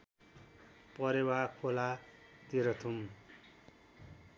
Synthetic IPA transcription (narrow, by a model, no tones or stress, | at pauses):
pʌɾewakʰola | t̪iɾʌt̪ʰum